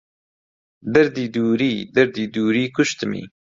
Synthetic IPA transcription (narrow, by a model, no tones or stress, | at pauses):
d̪ɨɾd̪iːd̪uːɾiːd̪ɨɾd̪iːd̪uːɾiːkʊʃt̪ɨmḭː